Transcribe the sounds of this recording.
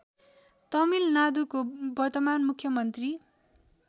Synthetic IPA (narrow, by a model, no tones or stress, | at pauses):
t̪ʌmilnad̪ukobʌrt̪ʌmanmukʰːjʌmʌnt̪ri